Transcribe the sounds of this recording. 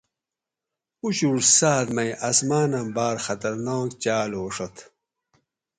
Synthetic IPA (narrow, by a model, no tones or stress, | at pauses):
uɕuɾsaːt̪mɐjʔɐsmaːnɐmbaːɾxɐt̪ɐɾnaːkt͡ɕaːloːʂɐt̪ʰ